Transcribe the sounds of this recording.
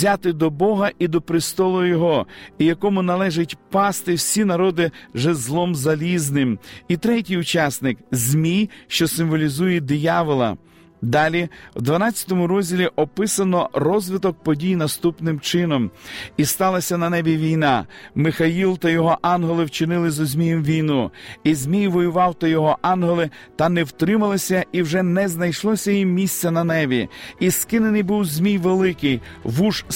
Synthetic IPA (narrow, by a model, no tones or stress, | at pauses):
zʲat̪ɪd̪ɔbɔɦɐʔid̪ɔpɾɪst̪ɔlˠʊjɔɦɔijɐkɔmʊnɐlˠɛʒɪtʲpɑst̪ɪwsʲinɐɾɔd̪ɪʒɛzlˠɔmzɐlʲiznɪmit̪ɾɛtʲijʊt͡ʃɑsnɪkzʲmʲijʃt͡ʃɔsɪmʋɔlʲizujɛd̪ɪjɑʋɔlˠɐ̰ | d̪ɑlʲiwd̪ʋɐnɑt͡sʲːɐ̥t̪ɔmʊɾɔzʲdʲilʲiʔɔpɪsɐnɔrɔzʲʋɪt̪ɔk̚pɔdʲijnɐst̪upnɪmt͡ʃɪnɔmist̪ɑlˠɐsʲɐnɐnɛʋʲiʋʲijnɑ̰mɪxɐilˠt̪ɐjɔɦɔʔɑnɦelˠɪwt͡ʃɪnɪlˠɪzʊzʲmʲijɛmʋʲijnuizʲmʲijʋɔjʊʋɑwt̪ɐjɔɦɔʔɑnɦelˠɪ | t̪ɐnɛwt̪ɾɪmɐlˠɪsʲɐiwʒɛnɛznɐjʃlˠɔsʲɐjimmʲisʲt͡sʲɐnɐnɛʋʲiiskɪnenɪjbuwzʲmʲijʋelˠɪkɪj | ʋuʃ